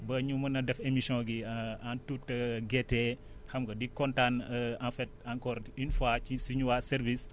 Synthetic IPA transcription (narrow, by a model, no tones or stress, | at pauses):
bɐɲumɐnɐdɛfemisɔ̃ɡiantutːɐɡɛtːɛ | hɐmɡɐdikɔntanãnfɛt̚aŋkɔɾinfat͡ʃisuɲuwasɛɾvis